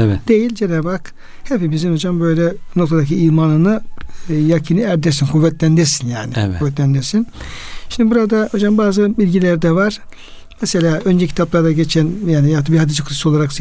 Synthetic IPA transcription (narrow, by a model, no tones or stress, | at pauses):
ɛɛd̪̥e̞jilʲd͡ʒenabak | hepibizimo̞d͡ʒambø̞jlʲɛno̞k̚t̪ʰad̪aciiːmaːnɯnɯ | jacʰinɯæɾd̪ɛɾsinkʰuvːɛt̪lʲænd̪iɾsinjaːniuvːɛt̪̬lʲænd̪iɾsinʃimd̪ibuɾad̪ao̞d͡ʒambaːzɯbilʲɟilʲæɾd̪ɛvaɾ̥ | mɛse̞lʲaːønd͡ʒɛcʰi̥t̪ʰaplˠaɾd̪aɟe̞t͡ʃʰɛnjaːnijapt̪ːɯbihad̪id͡ʒɯkʰlso̞lˠaɾaks